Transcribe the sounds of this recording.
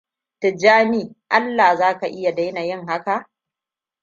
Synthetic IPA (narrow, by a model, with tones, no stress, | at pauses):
tɪ˨d͡ʒaː˦niː˦ʔa˦lːaː˨zaː˦ka˨ʔɪ˦ja˨da˦jna˨jɪ˦ŋɦa˦ka˨ʔ